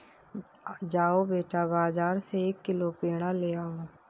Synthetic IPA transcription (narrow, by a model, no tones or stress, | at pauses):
d͡ʒaːobeːʈabaːzaːɾseeːkːɪlopeːɽ̃aleːaːoː